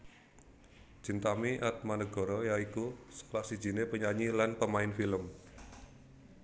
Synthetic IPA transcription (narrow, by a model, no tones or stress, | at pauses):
ʒ̥i̤nt̪amiʔat̪̚manəɡ̥ɔ̤ɾɔjaikusə̥klahsid̥ʒ̥i̤nepəɲaɲilanpəmaɪnfiləm